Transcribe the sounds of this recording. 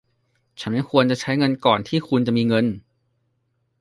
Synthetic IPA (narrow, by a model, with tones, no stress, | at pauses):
t͡ɕʰa˦˥nma˥˩jkʰu˧ənt͡ɕa˨˩t͡ɕʰa˦˥jŋɤ˧nkɔː˨˩nt̪ʰiː˥˩kʰu˧nt͡ɕa˨˩ʔmiː˧ŋɤ˧n